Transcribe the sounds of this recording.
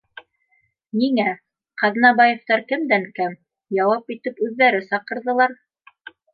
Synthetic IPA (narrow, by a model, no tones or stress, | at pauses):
niŋæ | qɑðnɑβɑjɤ̆ft̪ɑɾkɘ̆md̪æŋkæm | jɑwɑpit̪ɘpʉðːæɾɘsɑqɤ̆ɾðɤ̆lˠɑɾ